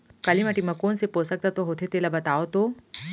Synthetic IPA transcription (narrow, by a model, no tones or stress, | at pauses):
kalimaʈimɐkoːnsepoːsək̚t̪at̪oɦot̪ʰet̪elabət̪aːot̪o